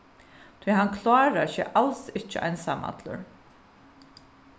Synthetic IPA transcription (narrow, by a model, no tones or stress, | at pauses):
t̪ʰvijɦankʰlaːɾaʃɛ̰ːʔalsɪht͡ʃɪʔa̰jnsa̰ma̰t̪lʊ̰ɾ